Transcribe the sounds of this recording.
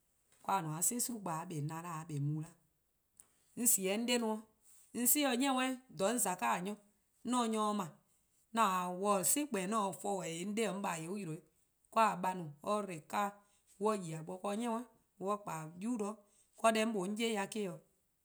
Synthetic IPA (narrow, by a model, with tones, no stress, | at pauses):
kwa˧˨nũ˨ã˨˦sẽ˦su˦ɾu˦ɡ͡baː˨˦ɓɛ˨nã˨la˦˨ɓɛ˨mũː˨˦la˦ | n̩˦si˨ɛ˨˦n̩˦de˦nũ˧ɔ̃˧ | n̩˦si˦ɔ˧ɲɛ̃˦wɛ̃˦dɔ̃˨˦n̩˦za˨kaː˦˨ɲɔ̃˦ | nɔ̃ː˦˨˦ɲɔ̃˧˦˧mã˨ | nã˨a˨wɔ˧˨si˦k͡pɛ̃ː˨nɔ̃ː˦˨fɔ˧˦˨wɛ˨e˨˦n̩˦de˦ɔ˧ŋ̩˦ɓa˨je˨˦o˦ju˨ɾo˨i˨˦ | kʷɔ˦a˨ɓa˧nũ˨ɔ˦ɾe˨kaː˦ | wɔ˧ji˨a˨ɓɔ˧˦kɔ˧˦ɲɛ̃˦wɛ̃˦ | wɔ˧˦˨k͡paː˨juː˦dɔ˦ | kɔ˧˦dɛ̃˧˦ɓo˨˦ŋ̩˦eː˦ja˧keː˦ɔ˨